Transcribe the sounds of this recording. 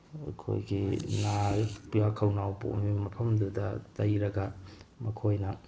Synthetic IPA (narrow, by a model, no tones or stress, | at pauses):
ɐ̰kʰo̰jɡinapijakʰɐwnawpo̰mimɐpʰɐmdudɐtɐjɾɐɡɐmɐkʰojnɐ